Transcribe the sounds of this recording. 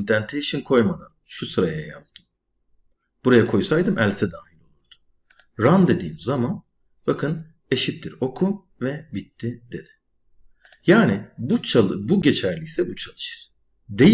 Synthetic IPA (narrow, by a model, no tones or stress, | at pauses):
nd̪ænt̪ʰe̞jiʃinkʰo̞jmad̪anʃusɯɾajaja̰zd̪ɯm | b̥uɾajakʰo̞jsajd̪ɯmʔælʲsɛd̪aːjilo̞lˠuɾd̪̥u̥ | ɾand̪e̞d̪iːmzaman | b̥akʰɯn | e̞ʃit̪ːiɾo̞kʰu | vɛbit̪ʰːid̪e̞d̪̥ɪ̥ | jaːnibuabuɟe̞t͡ʃʰæɾlʲisɛbut͡ʃʰalˠɯʃɯ̥ɾ̥ | d̪e̞j